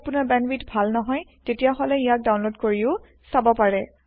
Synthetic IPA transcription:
pʊnabɛnbitbʱalnɔɦɔjtetijaɦɔlɛijak̚daw̃nlodkoɹiʊ | sabɔpaɹɛ

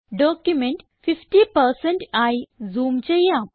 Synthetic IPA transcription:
ɖɔkjumeɳʈ | fifʈipəɾsẽɳʈajd͡zuːmt͡ɕejã

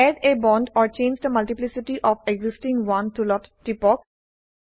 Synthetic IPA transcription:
ɛɖebɔ̃ːɳɖɔːɾt͡ʃẽːnd͡ʒd̪əmɐlʈɪplɪsɪʈiʔɔːfeɡzɪsʈɪ̃ŋɡʋʌ̃nt̪ʰulɔʈʈipɔːk

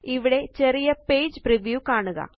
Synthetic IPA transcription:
iʋiɽe̞t͡ɕerijɐpeːd͡ʑpriʋjukaːɳuɣɐ̰

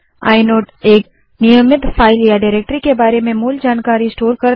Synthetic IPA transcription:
a̰ːɪnoːʈeːk | nɪjəmɪt̪faːɪljaɖaːɪɾeːk̚ʈɾikebaːɾemẽmuːld͡ʒaːnkaːɾiɪsʈoːɾkɐɾ

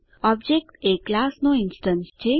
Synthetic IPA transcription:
ɔb̚d͡ʒek̚ʈeklasnoɪnsʈənst͡ʃʰe

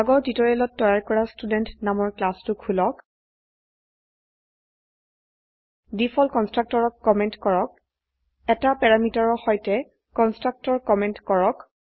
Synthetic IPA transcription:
aɡɔɹtitɔɹɛlɔtːɔjaɹkɔɹastudɛntnamɔɹklastʊkʰulɔk | dipʰɔlkɔnstɹak̚tɔɹɔkkːɔmɛntkɔɹɔk̚ | ɛtapɛɹamitɔɹɔxɔjtɛ | kɔnstɹak̚tɔɹkɔmɛntkɔɹɔk

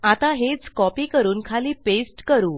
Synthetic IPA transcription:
at̪aɦet͡skɔpiːkəɾuːnkʰaliːpesʈkəɾuː

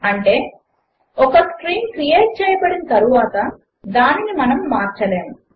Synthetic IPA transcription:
ɐɳʈe̞ː | ɔkɐskɾiːnkɾijeːʈ̚t͡ʃɛːjɐbɐɽinɐt̪ɐɾuʋaːt̪ɐ | d̪aːninimɐnɐmːaːɾt͡ʃɐleːmu

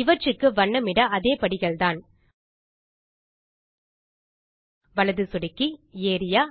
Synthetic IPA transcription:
ɪʋɐt͡ʃɯkːɯʋɐɳːɐmɪɽɐʔɐðeːpɐɽɪɣɐɭt̪aːn | ʋɐɭɐðɯsʊɽɪkːieːɾɪjaː

